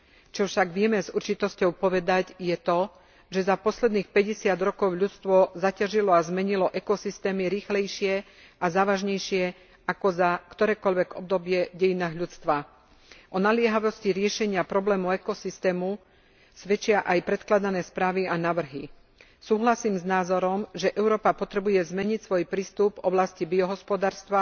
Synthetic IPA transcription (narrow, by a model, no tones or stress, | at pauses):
t͡ʃɔfʃaɡʋɪɛmɛzurt͡ʃit̪ɔscɔʊpɔʋɛd̪aɟjɛt̪ɔ | ʒɛzapɔslɛd̪niːxpɛɟɛsɪad̪ɾɔkɔʊʎut͡st̪ʋɔzacaʒilɔazmɛɲilɔʔɛkɔsist̪ɛːmiɾiːxlɛjʃɪɛ | ʔazaːʋaʒɲɛjʃɪɛ | akɔzakt̪ɔɾɛːkɔʎʋɛɡɔ̰b̚d̪ɔbɪɛɟɛjinaːɣʎut͡st̪ʋa | ʔɔnalɪɛɦaʋɔsciɾɪɛʃɛɲɪapɾɔblɛːmuɛkɔsist̪ɛːmu | sʋɛt͡ʃɪaʔajpɾɛt̪klad̪anɛːspɾaːʋianaʋr̩ɦi | suːɦlasiːmznaːzɔɾɔmʒɛʔɛʊɾɔːpapɔt̪ɾɛbujɛzmɛɲicsʋɔjpɾiːst̪ubvɔblascibiɔɦɔspɔd̪aːɾst̪ʋa